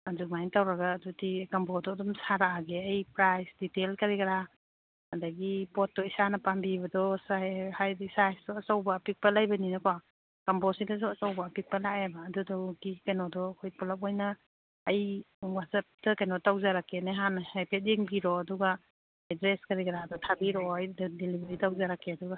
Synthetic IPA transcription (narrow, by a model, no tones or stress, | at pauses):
adumajntawɾaɡaːdutikambɔdɔdɔmsaɾaaɡeɐjpɾajsditelkɐɾiɡɐɾa | adaɡipɔt̚dɔisanɐpambibɐdɔsahajdisajsdɔɐsawbapik̚pɐlajbɐninɐkwa | kampɔsidasuɐsawbapik̚palaebaːdudɔɡikajnɔdɔkʰɔjpɔlap̚ɔjnaː | j | wasap̚dɐkajnɔtawzaɾakːenajɦanhajpʰet̬̚iŋbiɾɔːduɡa | edɾeskɐɾikɐɾaːdɔtʰabiɾɔajddelibɐɾitawzaɾakʰːeɐduɡa